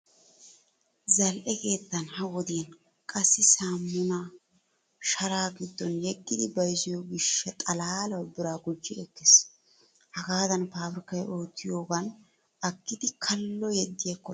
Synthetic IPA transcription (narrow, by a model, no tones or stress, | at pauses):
zɐlʔɛke̞ːt̪ːɐnhɐwɔd̪iɐn | kʼɐsːɪsaːmːʊna | ʃɐɾaːɡɪd̪ːɔnjɛɡːɪd̪ɪbɐjsɪjoɡɪʃːɛt̪ʼɐlaːlɐwbɪɾaːɡʊd͡ʒːɪɛkːes | hɐɡaːd̪ɐnpaːfɾɪkːɐjo̞ːt̪ːɪjo̞ːɡɐn | ɐkːɪd̪ɪkʰɐlːɔjɛd̪ːɪjɐkːɔ